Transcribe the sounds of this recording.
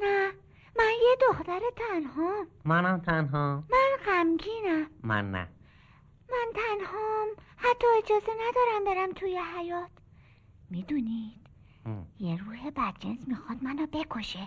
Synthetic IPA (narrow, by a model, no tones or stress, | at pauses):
næ | mænjed̪oxt̪æɾet̪ʰænɦɒmmænæmt̪ʰænɦɒmænɣæmɡiːnæmmæ̰nːæ̰ | mænt̪ʰænhɒːmhæt̪ʰːɒːed͡ʒɒːze̞næd̪ɒːɾæmbeɾæmt̪ʰuːjeɦæjɒːt̪ʰ | mid̪uːnid̪̥ | jeɾuːɦebæd̪̚d͡ʒensmixɒːd̪̥̚mænɒːbe̞kʰoʃe